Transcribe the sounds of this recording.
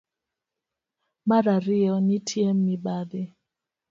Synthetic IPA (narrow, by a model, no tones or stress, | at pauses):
maɾaɾiɔnitʰiemːibabe